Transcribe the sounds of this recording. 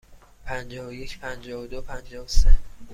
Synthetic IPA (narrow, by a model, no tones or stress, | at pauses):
pʰænd͡ʒɒːvoje̞cʰpʰænd͡ʒɒːvod̪opʰænd͡ʒɒːvose